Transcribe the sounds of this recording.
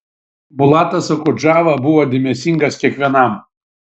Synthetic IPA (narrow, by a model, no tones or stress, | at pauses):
bʊlˠɑːt̪ɐsɐkʊd͡ʒɑːʋɐbʊʋoːd̪ʲɪmʲɛsʲɪŋɡɐskʲiɛkʋʲiɛnɐm